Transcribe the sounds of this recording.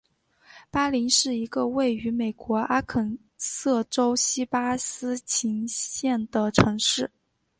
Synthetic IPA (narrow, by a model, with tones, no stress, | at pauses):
pa˥li˧˥nʂɻ̩˥˩i˧˥ɡə˧we˥˩ɪy˧˥me˨˩ɪkwɔ˧˥a˥kʰə˨˩n | sɤ˥˩ʈ͡ʂo˥ʊɕi˥pa˥sɹ̩˥t͡ɕʰi˧˥ŋɕjɛ˥˩nd̪ə˩ʈ͡ʂʰɤ˧˥ŋʂɻ̩˥˩